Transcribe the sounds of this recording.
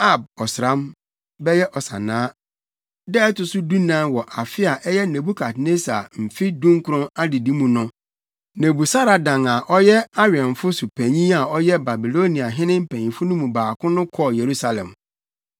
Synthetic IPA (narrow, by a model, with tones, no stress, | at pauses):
a˦b̚ɔ˨sɾã˦m | bɛ˦jɛ˦ʔɔ˨sã̰˨nãː˦ | dɛ˦ɛ˦tʊ˨sʊ˦du˦nãː˨˦nwɔ˨ʔa˨fɪ˦a˨ʔɛ˦jɛ˦nẽ˨bu˦kʰa˨tne˦sa˨m̩˨fi˦dũ˦ŋkʰʊ˨ɾʊ̃˦na˦dɪ˨dĩ˦mũ˨nʊ̃˦ | nẽ˨bu˨sa˦ɾa˨dã˨ŋa˨ʔɔ˦jɛ˦a˦ɾɪ˨ɛ̃˨ɱ˨fʊ˦su˨pʰæ̃˨ɲĩ˦a˨ɔ˦jɛ˦ba˨bi˨lo˦ni˨a˨ɦɪ̃˦nɪ̃˦m̩˦˨pʰæ̃˨ɲĩ˨fʊ˦nʊ̃˦mũ˨baː˨kʰʊ̃˦nʊ̃˦kʰɔ˦˨je˨ɾu˦sa˨lɛ̰̃˨m